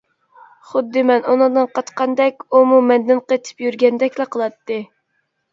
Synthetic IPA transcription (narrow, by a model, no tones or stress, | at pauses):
χʊd̪ːɨmɛnunɨŋd̪ɨnqʰɑt̪qɑnd̪ɛkʲumumɛnd̪ɪnqət̪ʰɪ̥pjyɾɡʲɛnd̪ɛkʲlæqʰəlˠɑt̪ːɨ